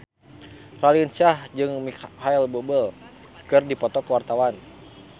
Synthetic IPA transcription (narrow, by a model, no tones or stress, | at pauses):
ralint͡ʃahd͡ʒɨŋmikhajlbobəl | kɨrdipɔt̪ɔkəwart̪awan